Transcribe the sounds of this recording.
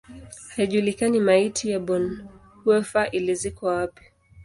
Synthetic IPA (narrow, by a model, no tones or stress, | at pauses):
haiʄulikanimaitʰijaɓɔn | huɛfaʔilizikɔwapi̥